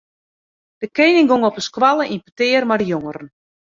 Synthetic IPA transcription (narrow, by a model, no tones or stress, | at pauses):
d̥əkeːnɪŋɡoŋɔpəskwalˠəʔinpətɪːrmadəjoŋəɾən